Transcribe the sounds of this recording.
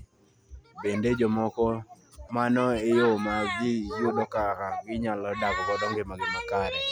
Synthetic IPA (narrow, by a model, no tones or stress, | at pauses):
bended͡ʒɔmɔkɔ | manɔejomaɡɪjubɔkaɾaɡɪɲalɔdakɔkɔdɔŋɡemaɡɪmakaɾɛ